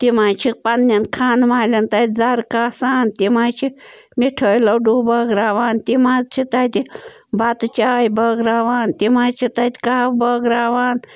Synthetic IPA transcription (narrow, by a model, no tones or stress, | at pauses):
t̪imaːt͡ʃʰipɐnːɐnkʰaːnmaːlʲɐnt̪aːt̪ʲd͡zaɾkaːsaːnt̪imaːt͡ʃʰi | miʈʰəːjlɐwɖuːbɐɡɾaːʋaːnt̪imaːt͡ʃʰit̪aːt̪i | bɐt̪t͡ʃaːjbəɡɾaːʋaːnt̪imaːt͡ʃʰit̪aːt̪ʲi̥kaːbəɡɾaːʋaːn